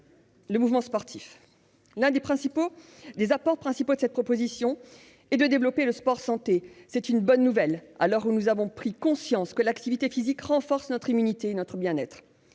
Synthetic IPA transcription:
ləmuvmɑ̃spɔʁt̪ʰif | lɛ̃d̪epχɛ̃sipo | d̪ezapɔʁpχɛ̃sipod̪əsɛt̪̚pχɔpozisjɔ̃ | ɛd̪əd̪evlɔpeləspɔʁsɑ̃t̪esɛt̪ynbɔnːuvɛlalɔʁunuzavɔ̃pχikɔ̃sjɑ̃skəlakt̪ivit̪efizikʁɑ̃fɔʁsnɔt̪χimynit̪eːnɔt̪χəbjɛ̃nɛt̪χ

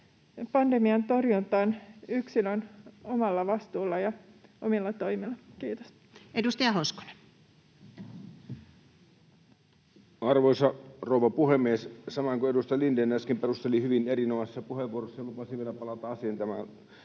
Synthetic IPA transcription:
pɑndemiɑnt̪orjunt̪ɑːnyksilønomɑlːɑʋɑst̪uːlːɑjɑomilːɑt̪o̞jmilːɑkiːt̪o̥s | edust̪ɑjɑhosko̥nen | ɑrʋoisɑrouʋɑpuhemːˑiessɑmɑŋkuedust̪ɑjɑlindenːæskimperust̪elihyʋinerinomɑssːɑpuheʋːuorosːɑjɑlupɑsiʋielæpɑlɑt̪ɑɑsint̪æmæ̰

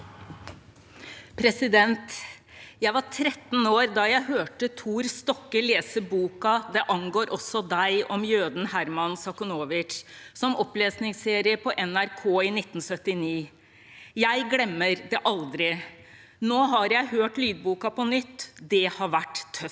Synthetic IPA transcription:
pʰɾɛsɪd̪ɛnt̪ | jæɪʋɑɾʈʰɾɛt̪ːn̩oːɾd̪ɑjæɪhøːʈət̪ʰuːɾst̪ɔkːəleːsəbuːkɑd̪ɛʔɑŋɡoːɾʔɔsɔd̪æɪɔmjøːd̪n̩hæɾmɑnsɑkʊnoːʋɪt͡ʃsɔmɔpleːsnɪŋseːɾɪəpʰɔʔɛnæɾkʰoːɪnɪt̪ːn̩sœt̪ːɪniː | jæɪɡlɛmːəɾd̪ɛʔɑld̪ɾɪ | noːɦɑɾjæɪhøːʈlyːd̪̚buːkɑpɔnʏt̪ːd̪ɛhɑɾʋæʈːt̪ʰːœf

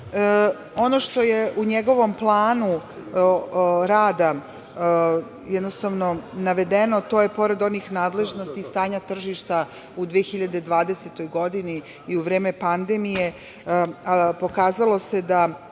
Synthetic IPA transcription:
o̞no̞ʃt̪o̞jeʔuɲeɡo̞ʋo̞mplˠaːnu | ɾaːd̪a | jɛd̪nost̪aʋnonaʋe̞d̪e̞no̞t̪o̞ːje̞po̞ɾe̞d̪o̞nixnaːd̪le̞ʒno̞st̪ist̪aːɲat̪r̩ʒiʃt̪a | ud̪ʋeexiʎad̪ed̪ʋaːd̪e̞set̪o̞jɡo̞d̪iniː | uʋɾe̞ːme̞pand̪emije | po̞kaːzalo̞se̞d̪a

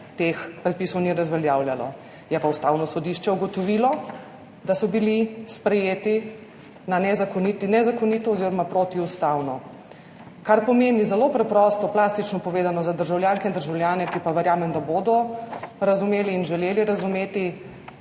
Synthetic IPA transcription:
t̪expɾɛt̪̚piːsɔwniɾɐzʋɛljaːwljalɔ̰ | jɛpaust̪aːwnɔsɔd̪iʃt͡ʃɛuɡɔt̪ɔʋilɔ | d̪asɔbilispɾɛjeːt̪i | nanɛzakɔnit̪inɛzakɔnit̪ɔːziɾɔmapɾoːt̪iust̪awnɔ | kaɾpɔmennizɛlopɾɛpɾɔst̪ɔplaːst̪it͡ʃnɔpɔʋeːzanɔzad̪əɾʒawljaːnkɛind̪əɾʒawlʲjaːnɛkipaʋɛɾjaːmɛnd̪abod̪ɔɾazumeːliːnʒɛleːliɾazumeːt̪i

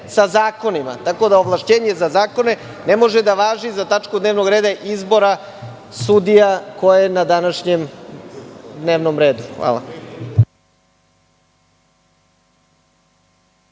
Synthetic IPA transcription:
sazaːko̞nima̰t̪ako̞d̪aoʋlˠaʃt͡ɕeːɲe̞zazaːko̞ne̞ | nemo̞ʒed̪aʋaːʒizat̪at͡ʂkud̪neʋno̞ɡɾe̞ːd̪aʔizbo̞ɾa | sud̪ijako̞jenad̪anaʃɲem | d̪neːʋnomɾe̞ːd̪uxʋa̰ːlˠa̰

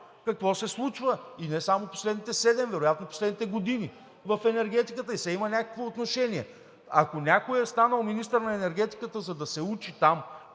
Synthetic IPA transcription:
kɐkvɔsɛslˠut͡ʃvəinɛsamopo̥slɛd̪nit̪ɛsɛd̪ɛmvɛɾojat̪noposlɛd̪nit̪ɛɡod̪ini | vɐfɛnɛɾɡ̟ɛt̪ikət̪əisɛimɐnʲakəkvoot̪noʃɛniɛ | ɐ̰konʲakojɛst̪anəlˠminist̪əɾnɐɛnɛɾɡ̟ʲɛt̪i̥kət̪əzɐd̪ɐsɛut͡ʃit̪am

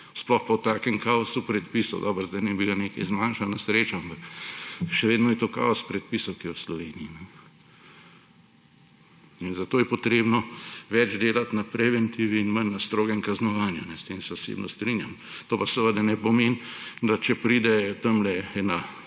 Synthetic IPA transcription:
splɔxpɔt̪aːkɛŋkaːɔsupɾɛt̪pisɔ̰wd̪ɔːbəɾzd̪aɪjnɛbiɡaneːkɐjzmaːnʃalnasɾeːt͡ʃɔampɐk | ʃɛʋeːd̪nɔjɛt̪oka̰ɔspɾɛt̪̚pisɔwkijɛwslɔʋeːniinɛ | inzat̪oːjɛpɔt̪ɾeːbnɔʋɛd͡ʒd̪eːlat̪napɾɛʋɛnt̪iʋiːnmənːast̪ɾoːɡɛŋkaznɔʋaːnjunɛst̪eːmsɛɔsḛbnʔɔst̪ɾinjamt̪oːpasɛʋəd̪ɛnɛpɔmeːnd̪at͡ʃɛpɾid̪ɛt̪əmlɛɛna

